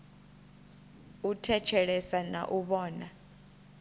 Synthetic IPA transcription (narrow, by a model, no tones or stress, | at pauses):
utʰɛt͡ʃʰɛɺɛsana̰ʔuɓɔːna